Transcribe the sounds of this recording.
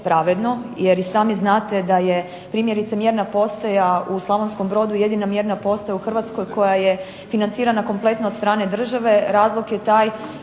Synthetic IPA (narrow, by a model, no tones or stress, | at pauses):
pɾaʋed̪no̞jeɾisaːmiznaːt̪e̞d̪aje | pɾiːmje̞ɾit̪samje̞ɾnapo̞st̪ajauslˠaʋonsko̞mbɾo̞d̪uje̞d̪inamje̞ɾnapo̞st̪ajauxr̩ʋat̪sko̞jkʰo̞jaje̞ | finant̪iːɾanako̞mplˠe̞t̪not̪st̪ɾaːne̞d̪r̩ʒaʋe̞ɾaːzlˠokje̞t̪aːj